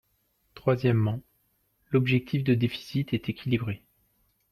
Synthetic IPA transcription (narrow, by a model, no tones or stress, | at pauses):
t̪χwazjɛmːɑ̃ | lɔbʒɛk̚t̪ʰifd̪əd̪efi̥sit̪ɛt̪ekʲʰilibʁe